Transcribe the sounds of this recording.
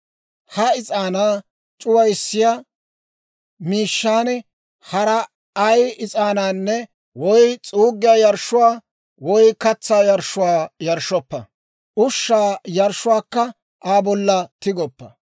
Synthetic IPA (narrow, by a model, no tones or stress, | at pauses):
hɐɪt͡sʼaːnaː | t͡ʃʼʊwɐjsːɪja | miːʃːaːnɛ | hɐɾɐː | jɪt͡sʼaːnaːnːɛ | wɔjt͡sʼuːɡːɪjaːjɐɾʃːʊwaː | wɔjkɐt͡sːaːjɐɾʃːʊwaːjɐɾʃɔpːɐ | ʔʊʃːaːjɐɾʃʊwaːkːɐ | ʔaːbɔlːɐt̪ɪɡɔpːɐ